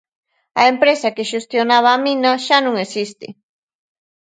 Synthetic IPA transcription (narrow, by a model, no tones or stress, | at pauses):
a̰empɾesakeʃust̪jonaβaːminaʃanʊŋesist̪ḛ